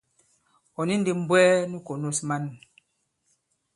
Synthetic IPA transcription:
ɔ˨ni˦n˦di˦m̩˦bwɛ˦ni˦ko˨no˦sma˦n˨

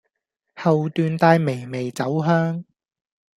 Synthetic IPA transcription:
hɐ˨wt̪yː˨nt̪aː˧jme˨˩jme˨˩jt͡sɐ˨˥wɦœː˥ŋ

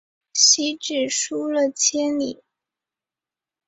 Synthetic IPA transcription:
ɕi˧˥ʈ͡ʂɻ̩˨˩ʂu˥lə˨t͡ɕʰjɛ˥nli˨˩˦

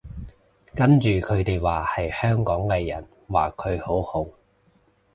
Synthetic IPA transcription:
kɐ˥nt͡ʃyː˨kʰɵ˨˧ɥt̪e˨jwaː˨hɐ˨jhœː˥ŋkɔː˨˥ŋkɛː˧jɐ̰˨˩n | waː˨˩kʰɵ˨˧ɥho˨˥whʊ˨˥

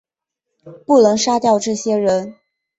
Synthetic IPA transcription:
pu˥˩nɤ˧˥ŋʂa˥t̪jɑ˥˧ʊʈ͡ʂɤ˥˩ɕjɛ˥ɻə˧˥n

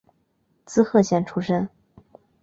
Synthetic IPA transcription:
t͡sɹ̩˥xɤ˥˧ɕjɛ˥˩nʈ͡ʂʰu˥ʂə˥n

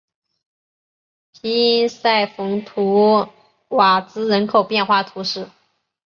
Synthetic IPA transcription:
pʰi˧˥i˥nsa˥˩ɪfʊ˧˥ŋt̪ʰu˧˥ | wa˨˩t͡sɹ̩˥ɻə˧˥nkʰo˨˩ʊpjɛ˥˧nxwa˥˩t̪ʰu˧˥ʂɻ̩˥˩

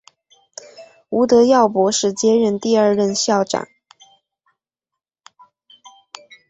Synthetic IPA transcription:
u˧˥t̪ɤ˧˥jɑ˥˩ʊpwɔ˧˥ʂɻ̩˥˩t͡ɕjɛ˥ɻə˥˧nt̪i˥˧ə˞˥˧ɻə˥˧nɕjɑ˥˩ʊʈ͡ʂa̰˨˩˦n

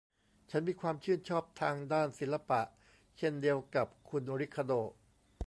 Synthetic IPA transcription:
t͡ɕʰa˦˥nmiː˧kʰwaː˧mt͡ɕʰɯː˥˩nt͡ɕʰɔː˥˩p̚t̪ʰaː˧ŋdaː˥˩nsi˨˩˦nlːa˧pa˨˩ʔ | t͡ɕʰe˥˩ndi˧əwka˨˩p̚kʰu˧nɾi˦˥kʰːa˧doː˧˩

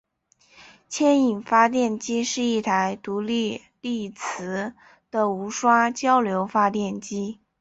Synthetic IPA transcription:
t͡ɕʰjɛ˥ni˨˩nfa˥t̪jɛ˥˩nt͡ɕi˥ʂɻ̩˥˧i˥˩t̪ʰa˧˥ɪt̪u˧˥li˥˧ | li˥˩t͡s̩ʰ˧˥ | d̪̥ə˧u˧˥ʂwa˥t͡ɕjɑ˥ʊljo˧˥ʊfa˥t̪jɛ˥˩nt͡ɕi˥

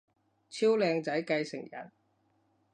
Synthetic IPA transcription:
t͡sʰiː˥wlɛː˧ŋt͡sɐ˨˥jkɐ˧jsɪ˨˩ŋjɐ̰˨˩n

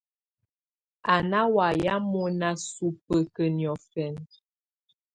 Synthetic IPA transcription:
a˨na˦wa˨ja˦mɔ˦na˦su˦pə˨kə˨njɔ˨fɛ˨n

